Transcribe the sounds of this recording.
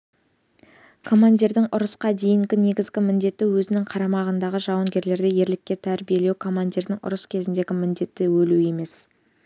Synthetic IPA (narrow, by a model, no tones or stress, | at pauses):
kʰo̞mand̪ʲiɾd̪ɪŋʊɾəsqɑd̪e̞jɪŋɡʲɪne̞ɡʲɪzɡʲɪmɪnd̪e̞t̪ːɪwɵzɪnɪŋqʰɑɾɑmɑʁənd̪ɑʁəʒɑwəŋɡʲe̞ɾle̞ɾd̪e̞je̞ɾlɪkʲːe̞t̪ʰæɾbije̞le̞wkʰo̞mand̪ʲiɾd̪ɪŋʊ̰ɾəskʲʰe̞zɪnd̪e̞ɡʲɪmɪnd̪e̞t̪ːɪwɵlue̞me̞s